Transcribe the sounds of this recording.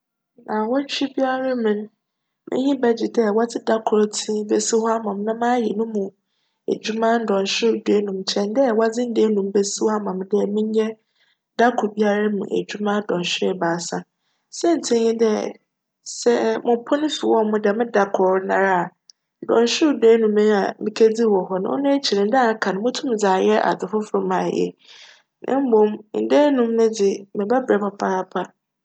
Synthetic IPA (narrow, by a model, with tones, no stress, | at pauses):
nã˨wɔ˦t͡ɕᶣi˦bi˦a˦ɾa˦mɪ̃˨ñ˦ | mɪ̰̃˦ɲĩ˦bɛ˦d͡ʑi˨dɛ˦˨wɔ˦d͡zɪ˦da˦kʰʊ˨ɾtʰĩ˦be˨si˦hɔ˦a˦mã˨mnã˦mãː˦jɛ˨nʊ̃˦mũ˨ | æ̰˨d͡ʑu˦mã˦n̩˦dɔ̃˨n˨ɕᶣɪ˦ɾde˨˦nũ˨mt͡ɕʰɛ̃˨ndɛ˦˨wa˦d͡zɪ̃˦n̩˦de˦nũ˨mbe˦si˦ha˦mã˨mdɛ˦˨mɪ̃˦ɲ˦ɲɛ˦ | da˦kʰʊ˨bi˦a˦ɾa˦mṵ̃˨ʔæ̰˨d͡ʑᶣu˦mã˦dɔ̃˨n˨ɕᶣɪ˦˨baː˨sã˨ | sɛ˦n̩˨tʰɪ̃˦ɲĩ˦dɛ˦ | sɛ˦mʊ̃˨pʰɔ˦nʊ̃˦fi˨wɔ˦˨mʊ̃˦dɛ˨mɪ̃˦da˨kʰʊ˨ɾnã̰˨ɾa˨ | dɔ̰̃˨nɕᶣʊ˦˨deː˦nũ˨mɪ̃˦a̰˨mɪ̃˨kʰe˦d͡zi˦wɔ˨ɦɔ˦nã̰˨˦ɔ̰˦nʊ̃˦t͡ɕʰi˨ɾɪ̃˨˦da˦˨˦kʰã˨nʊ̃˨mʊ̃˦tʰũ˦m˨d͡zaː˨jɛ˦ʔa̰˨dʊ˨fʊ˦fɾʊ̃˦mã˨jɛ̰˨ | nʔã̰˦m̩˦bõ˨mn̩˨de˦nũ˨m˦nʊ̃˦d͡zɪ˨mɪ̃˨bɛ˦bɾɛ˨˦pʰa˨pʰa˦a˦pʰa˦